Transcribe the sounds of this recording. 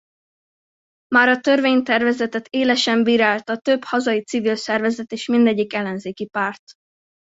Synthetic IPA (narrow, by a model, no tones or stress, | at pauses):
maːɾɒt̪ø̞rveːɲt̪ɛrvɛzɛt̪ɛt̪eːlɛʃɛmbiːɾaːlt̪ɒt̪øbhɒzɒjit̪sivilsɛrvɛzɛt̪eːʃmind̪ɛɟːikɛlːɛnzeːkipaːrt̪